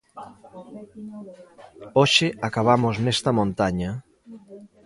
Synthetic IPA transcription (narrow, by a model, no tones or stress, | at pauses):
oʃɪakaβ̞amoznest̪ɐmõnt̪aɲa